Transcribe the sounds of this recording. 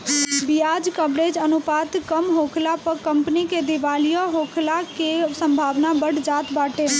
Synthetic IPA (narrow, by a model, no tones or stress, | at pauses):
bijad͡ʒkəbɾed͡ʒənupaːt̪kəmɦokʰlapəkəmpniked̪iʋaːlijoɦokʰlakesə̃mbʱaːʋnabəɽd͡ʒaːt̪baːʈe